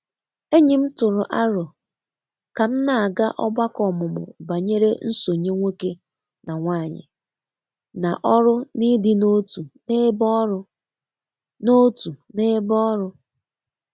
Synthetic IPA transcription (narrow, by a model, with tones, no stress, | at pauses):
e˦ɲi˨m̩˦tʊ˨ɾʊ˨ʔa˦ɾɔ˨ | ka˨m̩˦na˨a˨ɡa˦ʔɔ˦ba˦kɔ˨mʊ˨mʊ̰˨ba˨ɲe˦ɾe˦n̩˦so˨ɲe˦ŋʷe˦ke˦ | na˨ŋʷaː˦˨ɲɪ̰˨ | na˨ʔɔ˦ɾʊ˦ni˦dɪ˦no˦tu˨ne˦bɔ˦ɾʊ˦ | no˦tu˨ne˦bɔ˦ɾʊ˦